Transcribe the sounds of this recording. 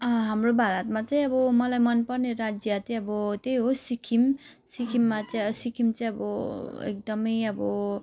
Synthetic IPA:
ʌɦamrobʱaɾʌt̪mat͡saĩʌbʌmʌlajmʌnpʌrneɾad͡zjat̪iʌbʌt̪ejɦosikʰim | sikʰimːat͡sajsikʰimt͡saĩʌbʌḛk̚d̪ʌmʌjʌbʌ

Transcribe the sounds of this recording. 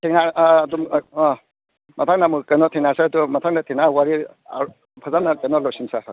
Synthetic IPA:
tʰeŋnadum | mɐtʰaŋnamukɐjnɔtʰeŋnaɾsadumɐtʰaŋnatʰinawaɾi | a̰ | pʰazanːakəjnɔlɔsinsa

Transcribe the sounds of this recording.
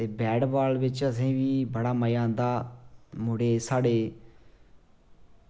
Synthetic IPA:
t̪eːbɛːɖbaːlbɪt͡ʃəs̬ĩːʋiːbəɽaːməjãːnd̪aːmʊɽeːsaːɽeː

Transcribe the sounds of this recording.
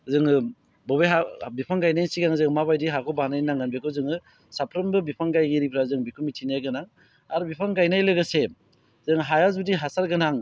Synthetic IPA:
zɯŋɯ | bɔbeɦabipʰaŋɡajnajsiɡaŋzɯŋmaβajdiɦakʰɔbanajnaŋɡanbekʰɯzɯŋɯ | sapʰɾɯmbɯbipʰaŋɡajɡiɾipʰɾazɯŋbikʰumitʰinjajɡɯnaŋ | aɾubipʰaŋɡajnajlɯɡɯse | zɯŋɦajazbudiɦasaɾɡɯnaŋ

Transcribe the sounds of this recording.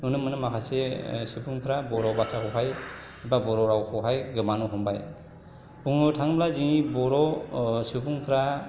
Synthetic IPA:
nunɯmɯnɯmakʰasesupʰuŋpʰɾabɔɾɔbasakʰɔwɦaj | babɔɾɔɾawkʰɔwɦajɡɯmanuɦɔmba̰j | buŋɯtʰaŋblaziŋibɔɾɔsupʰuŋpʰɾa

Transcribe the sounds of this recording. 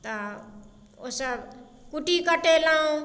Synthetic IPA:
t̪ʌ | osʌb | kuʈikʌʈelaũ

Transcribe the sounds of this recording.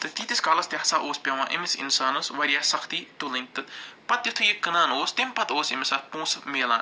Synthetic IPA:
t̪ɨt̪iːt̪iskaːlɐst̪ʲjɐhsaːʔoːspʲjaːʋãːʔɪ̰mɪsɪ̰nsaːnɐsʋɐɾijaːsɐkʰt̪iːt̪ulɐnʲt̪ɨpɐt̪jʊt̪ʰɨjikɐnãːnoːst̪ɪmpɐt̪oːsɪmɪsaːt̪̚pũːsmeːlã̰ːn

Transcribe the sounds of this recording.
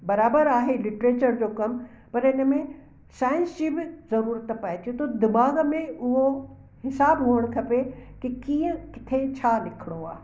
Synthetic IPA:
bɐɾaːbəɾaːɦelɪʈɾeːt͡ɕəɾd͡ʑoːkɐm | pɐɾɪnəmẽ | saːɪə̃nsd͡ʑibɪzɐɾuːɾət̪paːit̪ʰiot̪od̪ɪmaːɡəmẽʊɦo | hɪsaːbɦuːəɽ̃kʰɐpekikiːə̃kɪ̥t̪ʰet͡ɕʰaːlɪkʰɪɽ̃oaː

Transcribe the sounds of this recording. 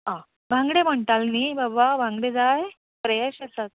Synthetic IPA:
ã | bʱãŋɡɽem̤əɳʈ̪alnibabʋabʱãŋɡɽed͡zaj | pɾəjaɕesat̪̚

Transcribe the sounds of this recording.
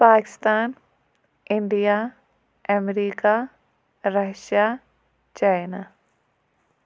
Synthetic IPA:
paːkɪ̥st̪aːn | ɪɳɖija | ɛmɾiːka | ɾɐʃaː | t͡ʃaːjnaː

